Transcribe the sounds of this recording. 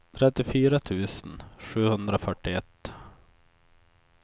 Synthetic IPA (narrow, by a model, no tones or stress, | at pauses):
t̪ʰɾɛt̪ːɪfyːɾat̪ʰʉ̟ːsənɧʉ̟ːhɵnd̪ɾafœʈːɪɛt̪ː